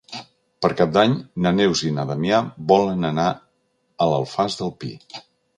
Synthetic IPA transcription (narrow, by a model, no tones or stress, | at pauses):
pəɾkap̚d̪aɲnənewzinəðəmiabɔlənəna | ələlˠfazðəlˠpḭ